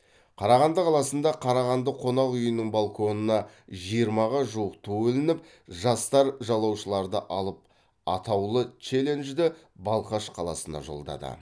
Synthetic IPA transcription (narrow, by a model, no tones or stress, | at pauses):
qʰɑɾɑʁɑnd̪əqʰɑlˠɑsənd̪ɑqʰɑɾɑʁɑnd̪əqʰo̞nɑʁʏjənɪɴbalˠkʰo̞nənɑʒijəɾmɑʁɑʒuəqt̪ʰɵwɵlɪnɪp̚ | ʒɑst̪ɑɾʒɑlˠɑwʃəlˠɑɾd̪əʔɑlˠəp̚ | ɑt̪ɑwlˠət͡ʃe̞le̞nʒd̪ɪ | bɑlˠqɑʃqʰɑlˠɑ̰sənɑ̰ʒo̞̰lˠd̪ɑ̰d̪ə̰